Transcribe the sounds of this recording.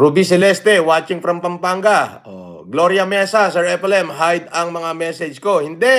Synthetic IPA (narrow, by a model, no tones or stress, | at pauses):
ɾʊbisɛlɛst̪ɛwaːt͡ʃɪŋfɾɐmpɐmpaŋɡaʔo̰ | ɡloɾjɐmɛsɐsɛɹɛpɛlɛmɦajd̪̚ɐŋmɐŋamɛsɛd͡ʒko̞hɪnd̪ɛ